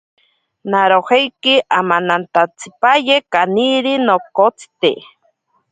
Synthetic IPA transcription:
naɾohejkiʔamanant̪at͡sʰi̥pajekaniɾinokot͡si̥t̪e

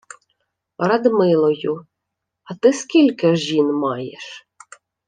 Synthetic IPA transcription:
ɾɐd̪mɪlˠɔjʊ | ɐt̪ɪskʲilʲkɪʒinmɑjeʃ

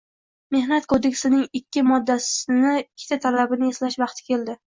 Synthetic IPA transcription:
me̞hnat̪kʰod̪e̞kʲsɪnɪŋɪkʲːɪmɒd̪ːasɪnɪkʲʰːɪ̥t̪ʰat̪ʰalabɪnɪeslaʃvɑqt̪ʰɪ̥kʲʰe̞ld̪ɪ

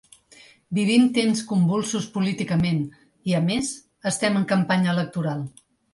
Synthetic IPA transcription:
biβ̞imt̪enskumbulˠsuspulit̪ikəmen | iəmez | əst̪ɛməŋkəmpaɲəələk̚t̪uɾalˠ

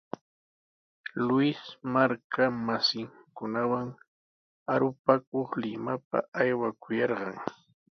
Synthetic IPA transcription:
lʊɪsmaɾkʰamasɪŋkʊnawaŋ | aɾʊpakoχlɪmap̚a̰ajwakʊjɑɾɢɑŋ

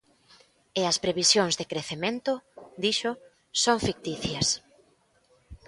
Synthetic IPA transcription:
eɐspɾeβisjoŋzðɪkɾeθemẽnt̪ʊd̪iʃʊ | soŋfik̚t̪iθjɐs

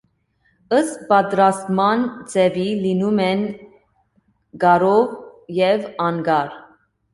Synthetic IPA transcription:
əst̪̚pɑt̪ɾɑst̪mɑnt͡sɛvilinumɛn | ɡɑɾɔvjɛvɑnɡɑɾ

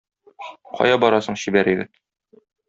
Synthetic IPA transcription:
qʰɒ̰jɑbɒɾɑsɤ̆ɴɕibæɾɘ̆ɡɘð

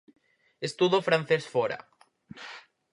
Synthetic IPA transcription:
est̪uðofɾan̟θesfoɾa̰

